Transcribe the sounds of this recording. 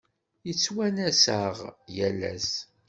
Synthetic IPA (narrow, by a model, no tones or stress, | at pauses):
jət͡sːwænæsæʁjælːæ̰s